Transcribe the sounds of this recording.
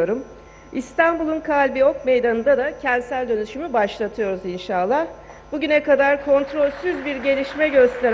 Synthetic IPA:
oɾum | ist̪ʰanbulˠunkʰalʲbio̞kme̞jd̪anɯnd̪ad̪acʰɛnd̪sælʲd̪ø̞nyʃymybaʃlˠat̪ʰɯjo̞ɾuzinʃaːlˠːabuɟynɛkad̪aɾkʰo̞nt̪ɾo̞lʲsyzbiɾɟe̞lʲiʃmɛɟø̞st̪ʰe̞ɾ

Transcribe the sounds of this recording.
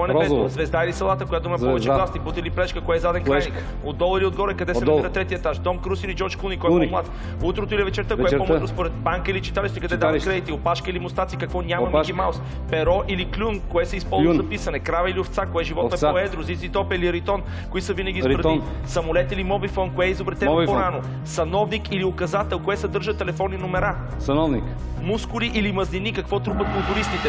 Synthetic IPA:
ɔɛnɛɾbɛszvɛzd̪ailisɐlˠat̪əkojat̪ʊimɛɔvɛt͡ʃɛlˠast̪iput̪əliplɛʃkəkoɛzad̪ɛŋkɛjnik | od̪ɔlˠəiliod̪ɡɔɾɛkɐd̪ɛsɛmɛɾɐt̪ɾɛt̪iəɛt̪aʃd̪ɔmkɾusilid͡ʒɔɾt͡ʃklunikɔɛɔmlˠat̪ | ut̪ɾot̪ʊilivɛt͡ʃɛɾt̪əkoɛomɾospoɾɛt̪̚baŋkəilit͡ʃi̥t̪aliʃt̪oikɐd̪ɛd̪avkɾɛd̪it̪iopaʃkəilimʊst̪at̪sikɐkvɔnʲamɐviɡimawˠs | pɛɾɔʔiliklʲunkoɛsɛispɔluzzɐpisɐnɛkɾavɐiliʊft̪sakoɛʒivɔt̪ɛoɛd̪ɾʊzit̪sit̪ɔpəiliɾit̪ɔn | koisəvinəɡʲizɾɾɛt̪in | sɐmʊlɛt̪ilimɔbifɔnkoɛizʊbɾɛt̪ɛbpoɾanʊ | sɐnɔvnikiliʊkɐzat̪ɛlˠkoɛt̪sɐd̪ɤɾʒət̪ɛlɛfɔninomɛɾa | sɐnɔvnik | muskʊliʔilimɐzlinikɐkvɔt̪ɾupəkʊlˠt̪ʊɾist̪it̪ɛ

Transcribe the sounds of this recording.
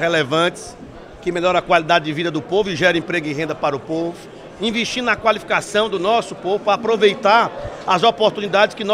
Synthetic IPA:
helevɐ̃t̪ɪ̥s | kɪmeʎɔɾɐkwalid̪ad̪ɪd̪ɪvid̪ɐd̪ʊpovʊɪʒɛɾ̃ẽpɾeɡʊɪɦẽnd̪ɐpaɾʊpovʊ | ĩveʃt͡ʃĩʊnɐkwalifi̥kasɐ̃w̃d̪ʊnɔsʊpovʊaːpɾovejt̪aɾɐzopoɾt̪ũnid̪ad̪ɪskɪnɔ

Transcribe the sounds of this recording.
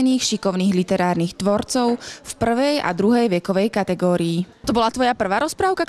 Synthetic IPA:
niːxʃikɔʊniːɣlit̪ɛɾaːɾniːxt̪ʋɔɾt͡sɔʊfpr̩ʋɛja̰d̪ɾuɦɛjʋɛkɔʋɛjkat̪ɛɡɔːɾiːt̪ɔbɔlat̪ʋɔjapr̩ʋaːɾɔspɾaːʊkak

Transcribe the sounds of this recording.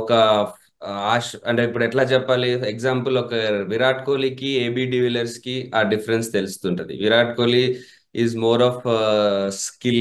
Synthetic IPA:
ɔkɐ | aːʃɐɳʈeːipːuɽuɛʈlaːt͡ʃɛpːaːliekzaːmpɐlɔkɐʋiɾaːʈ̚koːliːkieːbiːɖiʋilɐɾskiaːɖipʰɐɾenst̪e̞lusu̥t̪uːɳʈund̪ḭʋiɾaːʈkoːli | iːzmoːɾaːpʰ | skil

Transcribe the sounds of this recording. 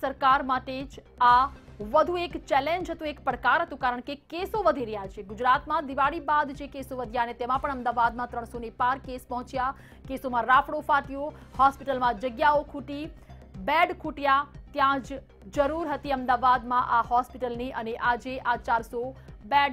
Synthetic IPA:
səɾkaɾmaʈed͡ʒ | aʋəd̪ʱũekt͡ʃɛlẽɲd͡ʒɦət̪ũekpɾəkaɾɦət̪ũkaɾəɳ̃kekesoʋəd̪ʱiɾəɦjat͡ʃʰeɡʊd͡ʒɾat̪mãd̪iʋaɽibad̪d͡ʒekesoʋəd̪ʱjaənet̪emãpəɳəmd̪aʋad̪mãt̪ɾəɳ̃sonepaɾkespəɦʊ̃t͡ʃja | kesomãɾafɽofaʈijohɔspiʈəlmãd͡ʒəɡjaokʰuʈi | bɛɖkʰuʈjat̪jãd͡ʒ | d͡ʒəɾuɾɦət̪iəmd̪aʋad̪mãʔaɦɔspiʈəlniəneʔad͡ʒeʔat͡ʃaɾsobɛɖ

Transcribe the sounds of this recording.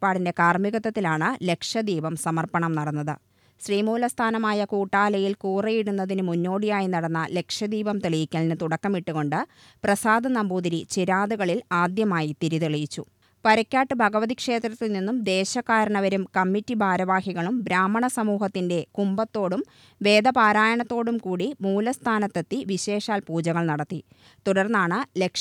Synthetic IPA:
pːaːɽinde̞kaːrmiɣɐt̪ːɐt̪ːilaːɳɨle̞kʂɐd̪iːʋɐmsɐmɐrpɐɳɐmnɐɽɐnːɐðɨ̰ | ɕriːmuːlɐst̪ʰaːnɐmaːjɐkuːʈːaːlɐjilkuːrɐjiɽunːɐðinɨmunːo̞ːɽijaːjinɐɽɐnːɐle̞kʂɐd̪iːʋɐmt̪eɭijikʲːɐlnɨt̪uɽɐkːɐmiʈːuɣo̞ɳɖɨ | prɐsaːd̪ʱɐnɐmbuːd̪iɾit͡ɕeɾaːðuɣɐɭilaːd̪jɐmaːjit̪iɾiðeɭijit͡ɕːṵ | pɐɾɐkʲːaːʈːɨbʱɐɡɐʋɐðikʂe̞ːt̪ɾrɐt̪ːilninːumd̪e̞ːɕɐkaːɾɐɳɐʋɐɾumkɐmːitːibʱaːɾɐʋaːhiɣɐɭumbɾaːmːɐɳɐsɐmuːhɐt̪ːinde̞kumbɐt̪ːo̞ːɽum | ʋe̞ːd̪ɐpaːɾaːjɐɳɐt̪ːo̞ːɽumkuːɽimuːlɐst̪ʰaːnɐt̪ːet̪ːiʋiɕe̞ːʂaːlpuːd͡ʑɐɣɐɭnɐɽɐt̪ːi | t̪uɽɐrnːaːɳɨle̞kʂ

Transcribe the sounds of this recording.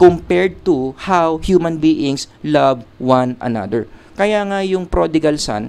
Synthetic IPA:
kʊmpɛɹd̪̚t̪ʊhawhjuːmɐ̃nbiːʔɪ̃ŋs | lavwanʔɐ̰na̰d̪ɛɹkɐjaŋajʊŋpɾod̪ɪɡɐlsa̰n

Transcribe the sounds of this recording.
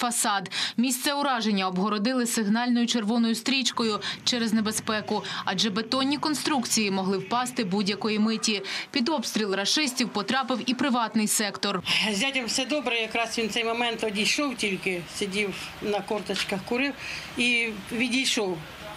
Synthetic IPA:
fɐsɑd̪mʲist̪sɛʊɾɑʒenʲːɐɔbɦɔɾɔd̪ɪlˠɪsɪɦnɑlʲnɔjʊt͡ʃerʋɔnɔjʊst̪ɾʲit͡ʃkɔjʊt͡ʃɛɾeznebespɛkʊɐd͡ʒɛbet̪ɔnʲːikɔnst̪ɾukt͡sʲijimɔɦlˠɪwpɑst̪ɪbudʲjɐkɔjimɪtʲipʲid̪ɔbst̪ʲɾʲilˠrɐʃɪsʲtʲiwpɔt̪ɾɑpɪwipɾɪʋɑt̪nɪjsɛkt̪ɔrzʲatʲɐmwsɛd̪ɔbɾɛjɐkɾɑsʋʲint̪sɛjmɔmɛnt̪ɔdʲijʃɔwtʲilʲkɪsʲɐdʲiwnɐkɔrt̪ɐt͡ʃkɐxkʊɾɪwiʋʲidʲijʃɔw

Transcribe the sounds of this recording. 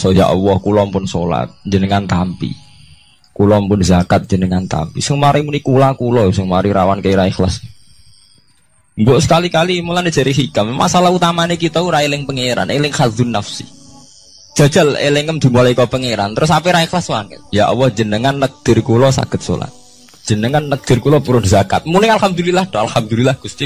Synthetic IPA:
sɔja̰ʔwɔhkulɔmpʊnsola̰t̪̚d͡ʒənəŋant̪ampḭ | kulɔmpʊnzakat̪̚dd͡ʒ̥ənəŋant̪a̰mpisəŋmaɾimunikulakulɔsəŋmaɾiɾawankəiɾaixlas | mbɔʔsə̥kalikalimulane̥d͡ʒ̥a̤ɾʔiɦikamma̰salahut̪amanekit̪ɔuɾailɪŋpəŋeɾa̰nʔelɪŋxaðunːafsi | d̥ʒ̥a̤̥d͡ʒ̥a̤lḛleŋəmd̪̥i̤molaikɔpəŋeɾant̪əɾʊsapeɾaixlaswaŋə̰t̪̚ja̰ʔwɔhd͡ʒənəŋanːək̚d̪̥ɪ̤rkulɔsa̰ɡ̥ət̪̚so̰la̰t̪̚ | ʒ̥ənəŋanːək̚d̪̥ɪrkulɔpuɾʊnzaka̰t̪̚munɪŋalhamd̪ulilahd̪ɔa̰lhamd̪ulilahɡ̥ust̪i

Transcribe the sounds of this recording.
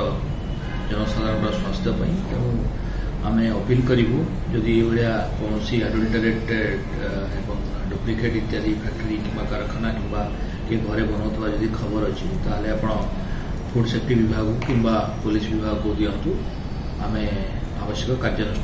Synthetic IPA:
ɔ | d͡ʒəñɔsad̪ʱaɾə̃ɳɾɔswast̪ʰjəpãĩt̪eũ | a̰meəpilkəɾiɦũ | d͡ʒod̪ʱiebeɭjakɔ̃siaɖulʈeɾeʈeɖ | ebɔŋ | ɖuplikʰeʈit̪jaɾipʰɛk̚ʈəɾikĩmbakaɾəkʰanakĩmba | keɡʱɔɾebɔnaʋt̪ʰɔʋad͡ʒod̪ʱikʰəbəɾɔt͡ʃʰit̪aɦaleapɽ̃ɔ | pʰuʈsekʈiʋibʱaɡũkĩmbapolisʋibʱaɡkod̪iant̪ũ | a̰me | a̰ʋəsjəkɔkaɾd͡ʒən

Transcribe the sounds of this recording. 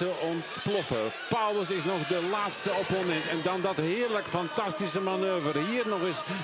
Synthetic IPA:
əʔɔntplɔfə | pawləs̬ɪsnɔχdəlaːtstəoponɛntɛndɑndɔtɦɪːərləkfɑntɑstisəmanøːvərɦiːrnɔxɪs

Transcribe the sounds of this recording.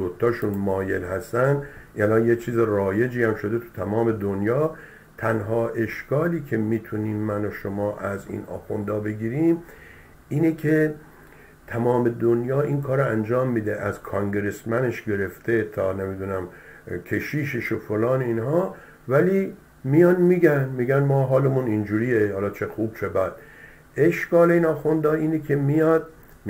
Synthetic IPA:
ot̪ʰːɒːʃunmɒːjelhæst̪ænd̪ælɒːnjet͡ʃʰiːzerɒːje̞d͡ʒiːhæmʃo̞d̪e̞t̪ʰu̥t̪ʰæmɒːme̞d̪onjɒː | t̪ʰænɦɒːʔe̞ʃkɒːliːkʰe̞miːt̪ʰuniːmːænoʃomɒːʔæzḭːnʔɒ̰ːxond̪ɒːbe̞ɡiːɾiːm | ʔiːnekʰe | t̪ʰæmɒːme̞d̪onjɒːiːnkʰɒːɾoænd͡ʒɒːmːiːd̪eʔæzkʰɑŋɡeɾe̞smæneʃɡe̞ɾe̞ft̪ʰe̞t̪ʰɒːne̞mid̪unæmkʰe̞ʃiːʃeʃofolɒːneiːnɦɒː | væliː | mijɒnmiːɡænmiːɡænmɒːɦɒːlemunind͡ʒuːɾiːjehɒːlɒːt͡ʃʰe̞xuːb̥̚t͡ʃʰe̞bæd̪̥ | ʔeʃɡɒːleiːnɒːxund̪ɒːiːnekʰe̞mijɒd̪̥̚

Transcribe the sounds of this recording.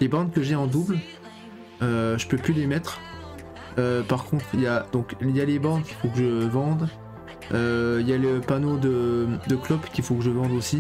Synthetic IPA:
lebɑ̃d̪̚kəʒeɑ̃d̪ubl | øʒəpøplylemɛt̪χ | øpaʁkɔ̃t̪χjad̪̥ɔ̃kiljalebɑ̃d̪kʲi̥fokəʒəvɑ̃d̪ | øiljaləpanod̪əd̪əklɔpkʲifokəʒəvɑ̃d̪osi

